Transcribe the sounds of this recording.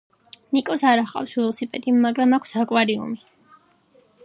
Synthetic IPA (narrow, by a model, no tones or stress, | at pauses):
nikʼɔsaɾaχqʼa̰fsvɛlˠɔsipʼɛ̰d̪imːaɡɾamakʷʰsakʼwaɾiṵmi